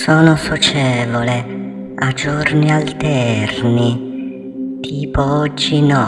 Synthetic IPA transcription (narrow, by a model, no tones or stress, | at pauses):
soːnosot͡ʃɛːvole | ad͡ʒornialt̪ɛrni | t̪ʰiːpoɔd͡ʒːinɔ